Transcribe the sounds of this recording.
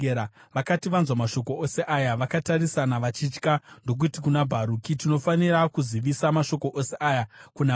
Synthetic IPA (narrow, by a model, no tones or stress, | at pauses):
aʋakatiʋanzwamaʃo̞ko̞ose̞ʔajaʋakatarisanaʋat͡ʃit͡ʃkando̞k̬utikunabʱaɾukitino̞fanirakuziʋisamaʃo̞ko̞ʔose̞ʔajakuna